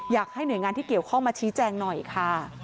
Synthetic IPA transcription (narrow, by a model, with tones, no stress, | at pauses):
jaː˨˩k̚ha˥˩jnu˨˩˦jŋaː˧nt̪ʰiː˥˩ki˨˩əwkʰɔ˥˩ŋmaː˧t͡ɕʰiː˦˥t͡ɕɛː˧ŋnɔ˨˩jkʰa˥˩